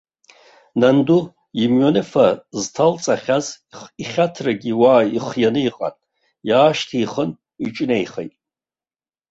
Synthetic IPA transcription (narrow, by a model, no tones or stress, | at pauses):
nandu | imɥanɨfaztʰalt͡sʼaχʲaz | iχʲatʰraɡʲiwaːiχjanɨiqʼa̰n | jaːʃtʰiːχən | it͡ʃʼnejχḛjtʼ